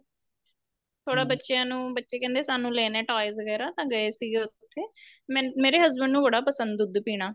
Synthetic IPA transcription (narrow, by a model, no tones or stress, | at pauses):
t̪ʰoːɽaːbətːʃejãːnũːbətːʃeːkɛ̃ːnd̪eːsaːnũːlɛːnɛːʈaːɪzəɡɛːɾaːt̪ãːɡəeːsiːɡeːʊt̪ʰːeːmɛ̃meːɾeːɦəzbəɳɖnũːbəɽaːpəsənd̪ʊd̪piːɽ̃aː